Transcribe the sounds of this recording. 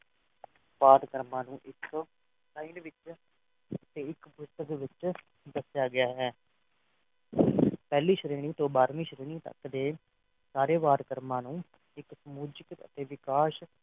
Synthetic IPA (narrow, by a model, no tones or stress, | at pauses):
ʋaːd̪kəɾmãːnũːʔɪk | saːinʋɪt͡ʃ | ət̪eːɪkpʊst̪əkʋɪt͡ʃ | d̪əsjaːɡɪjaːɦɛː | pɛːliːʃəɾeːɽ̃ĩːt̪õːbaːɾmĩːʃəɾeːɽ̃ĩːt̪ə̰kd̪eː | saːɾeːʋaːd̪kəɾmãːnũː | ɪksəmuːd͡ʒɪkə̰t̪eːʋɪkaːʃ